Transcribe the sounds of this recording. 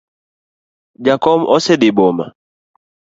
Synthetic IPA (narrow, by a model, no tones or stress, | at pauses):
d͡ʒakɔmɔsɛdɪboma̰